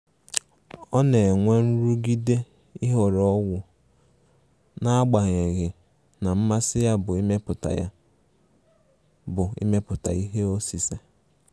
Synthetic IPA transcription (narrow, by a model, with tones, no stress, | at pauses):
ɔ˦ne˨e˨ŋʷe˦n̩˦ɾu˦ɡi˦de˦ | ɪ˦ɦɔ˨ɾɔ˦wʊ˨ | na˦a˦ɡ͡ba˨ɣe˨ɣɪ˨ | na˨m̩˦ma˦sɪ˦ja˦bʊ˨i˦me˦pʊ˨ta̰˨ja̰˦ | bʊ˨ḭ˦me˦pʊ˨ta̰˨i˦ɦe˦o˦si˨se˨